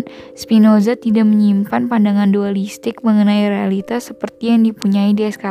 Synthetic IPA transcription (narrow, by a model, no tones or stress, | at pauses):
spinozat̪idaʔməɲimpanpandaŋandualist̪ɪk̚məŋənajrealit̪asːəpərt̪ijaŋdipuɲaidiɛska